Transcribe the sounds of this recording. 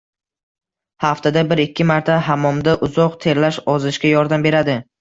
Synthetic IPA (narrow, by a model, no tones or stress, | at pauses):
haft̪ad̪abɪɾɪkʲʰːɪmaɾt̪ʰaɦamɒmd̪aʔʊzɒqt̪ʰe̞ɾlaʃɒzɪʃkʲajɒɾd̪ambe̞ɾad̪ɪ